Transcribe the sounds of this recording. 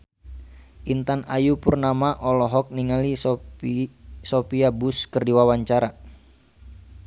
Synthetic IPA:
ʔint̪anajupurnamaʔɔlɔɦɔk̚niŋali | sopiabuskərdiwawaɲt͡ʃaɾa

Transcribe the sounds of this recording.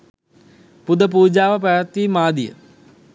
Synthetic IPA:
pud̪əp̬uːd͡ʑaːʋəp̬aʋət̪ːiːmaːd̪ijə̰

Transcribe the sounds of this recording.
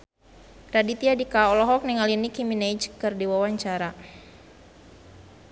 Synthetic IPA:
ɾadit̪iadikaɔlɔɦɔk̚niŋalinikimined͡ʒkɨrdiwawaɲt͡ʃaɾa

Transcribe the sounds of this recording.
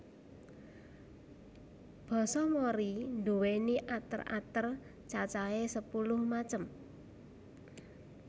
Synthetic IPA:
b̥ɔ̤sɔmoɾind̪uweniʔat̪ə̰ra̰t̪ər | t͡ʃat͡ʃaesəpulʊhmat͡ʃəm

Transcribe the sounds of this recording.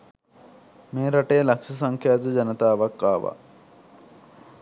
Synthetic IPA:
meːɾɐʈeːlɐkʂɐsɐŋkʰjaːd̪ud͡ʒɐnɐt̪aːʋɐkːaːʋa̰

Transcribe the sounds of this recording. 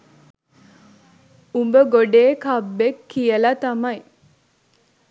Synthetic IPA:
umbəɡoɖeːkabːekːijəlat̪amɐj

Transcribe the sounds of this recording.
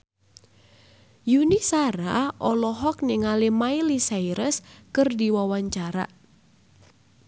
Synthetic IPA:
junisaɾa̰ʔɔlɔɦɔk̚nɪŋalemailisajɾəskɨrdiwawaɲt͡ʃaɾa̰

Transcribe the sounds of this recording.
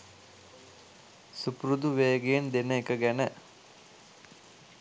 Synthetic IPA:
supɾud̪uʋeːəɡejend̪enəekəɡænə

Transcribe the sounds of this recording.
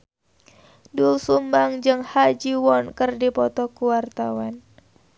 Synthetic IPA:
dulsumbaŋd͡ʒɨŋhad͡ʒiwɔnkɨrdipɔt̪ɔkuwart̪awan

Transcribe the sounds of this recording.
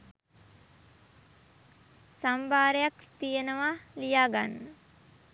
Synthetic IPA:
sambaːɾejakt̪ijenəʋalijaːɡa̰nːə

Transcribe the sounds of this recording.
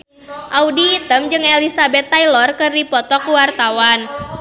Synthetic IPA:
ʔaudiːt̪əmd͡ʒɨŋɛlisabɛt̪ːailɔrkɨrdipɔt̪ɔkuwart̪awan

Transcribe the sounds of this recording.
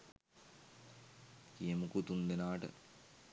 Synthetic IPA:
kijəmukut̪und̪enaːʈə̰

